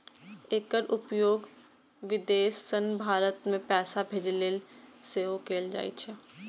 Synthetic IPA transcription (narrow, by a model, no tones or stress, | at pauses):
eːkəɾʊpjoːɡ | ʋɪd̪eːsːənbʱaːɾət̪mẽpɛːsabʱeːd͡ʒleːlseːɦokeːld͡ʒa̰ːḭt͡ʃʰɛ